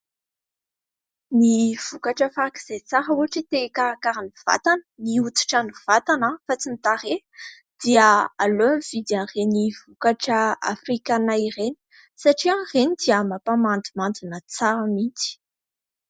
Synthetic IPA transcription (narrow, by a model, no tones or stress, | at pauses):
niv̥ukaʈ͡ʂəfaɾaki̥z̥et͡saɾəuaʈ͡ʂit̪ekaakaɾaniv̥a̰t̪anəniut̪i̥ʈ͡ʂaniv̥at̪anəfat͡sinit̪aɾe | d̪̥iəalomv̥id̪janreniv̥ukaʈ͡ʂəa̰frikanaireni̥ | saʈ͡ʂianrenid̪iəmapamand̪imand͡z̪inət͡saɾəmit͡si̥